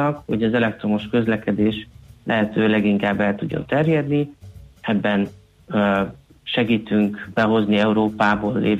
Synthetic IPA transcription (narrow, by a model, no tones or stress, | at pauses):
ɒkho̞ɟɒzɛlɛk̚t̪ɾo̞mo̞ʃkø̞zlɛkɛd̪eːʃlʔɛɦɛt̪øːlɛɡiŋkaːbːɛlt̪uɟːo̞̰nt̪ɛrjɛd̪niɛbːɛn | ʃɛɡiːt̪yŋkbɛɦo̞zniɛuɾoːpaːboːlːʔeːv